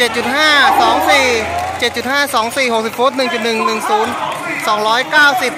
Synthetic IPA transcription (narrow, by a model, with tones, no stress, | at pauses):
t͡ɕe˨˩t̪̚t͡ɕu˨˩t̪̚haː˥˩sɔː˩˦ŋsiː˨˩t͡ɕe˨˩t̪̚t͡ɕu˨˩t̪̚haː˥˩sɔː˩˦ŋsiː˨˩ho˨˩k̚si˨˩p̚fuː˦˥t̪̚nɯ˨˩ŋt͡ɕu˨˩t̪̚nɯ˨˩ŋnɯ˨˩ŋsuː˩˦nsɔː˩˦ŋɾɔː˦˥jkaː˥˩wsi˨˩p̚